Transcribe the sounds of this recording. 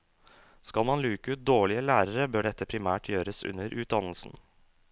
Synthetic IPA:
skɑlmɑnlʉːkəʉːt̪̚d̪oːɭɪəlæːɾəɾəbøːɖɛt̪ːəpʰɾɪmæːʈʰjøːɾəsʉ̰nːəɾʔʉːt̪̚d̪ɑnlsn̩

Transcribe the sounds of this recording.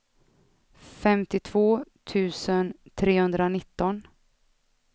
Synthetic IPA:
fɛmt̪ɪt̪ʰvoːt̪ʰʉ̟ːsənt̪ʰɾeːhɵnd̪ɾanɪt̪ːɔn

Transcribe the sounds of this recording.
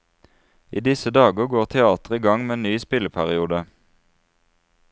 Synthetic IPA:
ʔiːd̪ɪsəd̪ɑːɡəɡoːʁt̪ʰɛɑːt̪əʁiːɡɑŋmeːeːnyːspɪləpʰæʁɪuːd̪ə

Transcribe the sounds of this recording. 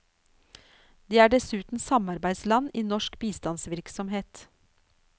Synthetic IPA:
d̪eːæːɖɛsʉːt̪n̩sɑmɑɾbæɪslɑniːnɔʃkbiːst̪ɑnsʋɪɾksɔmheːt̪

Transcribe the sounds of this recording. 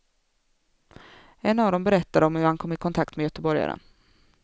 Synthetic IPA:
ɛnːavd̪ɔmbɛɾɛt̪ːaɾɔmhɵɾhankʰɔmːɪkʰɔnt̪ʰak̚t̪mɛjœt̪əbɔɾja̰ɾə̰n

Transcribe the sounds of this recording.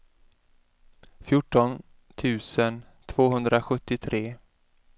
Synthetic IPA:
fjʊʈːɔn | t̪ʰʉ̟ːsən | t̪ʰvoːɦɵnd̪ɾaɧɵt̪ːɪt̪ʰɾeː

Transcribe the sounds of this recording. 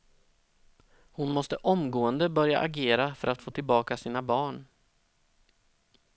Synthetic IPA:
hʊnmɔst̪əʔɔmɡoːənd̪əbœɾja̰ʔaɡeːɾafœɾat̪foːt̪ʰɪlbɑːkasiːnabɑːɳ

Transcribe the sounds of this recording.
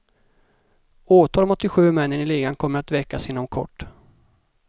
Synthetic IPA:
oːt̪ʰɑːlɔmɔt̪ːɪɧʉ̟ːmɛnːənɪleːɡankʰɔmːəɾat̪vɛkːasɪnːɔmkʰɔ̰ʈː

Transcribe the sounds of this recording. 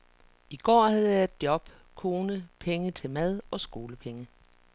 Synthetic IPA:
iɡ̥ɒ̰ːhæðˠjɑ̈e̝d̥jɒ̽b̥ | kʰo̝ːnəpʰeŋət͡sʰe̝lmæð̞ˠɒ̽sɡ̥o̝ːləpʰeŋə

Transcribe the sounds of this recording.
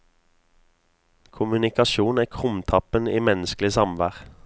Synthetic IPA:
kʰʊmʉnɪkɑʃuːnæːkʰʁʊmt̪ʰɑpəniːmɛnəsklɪsɑmʋæːʁ

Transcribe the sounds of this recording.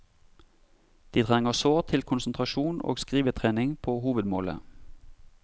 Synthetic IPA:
d̪̥iːt̪ʰʁɛŋəsoːʁt̪ʰɪlkʰʊnsn̩t̪ʰʁɑʃuːno̰ːɡskʁiːʋət̪ʰʁeːnɪŋpʰoːhuːʋəd̪moːlə̰

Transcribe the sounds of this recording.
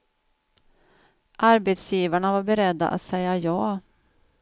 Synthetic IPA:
ʔaɾbet̪sjiːvaɳavaɾbɛɾɛd̪ːa̰ʔa̰t̪sɛjajɑː

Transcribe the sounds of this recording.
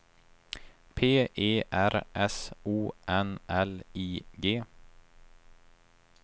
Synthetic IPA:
pʰeːʔeːʔæɾʔɛsuːʔɛnɛliːɡeː

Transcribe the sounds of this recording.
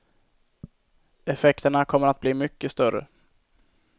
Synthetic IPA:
ɛfɛkt̪əɳakʰɔmːəɾat̪̚bliːmʏkːəst̪œɾə̰

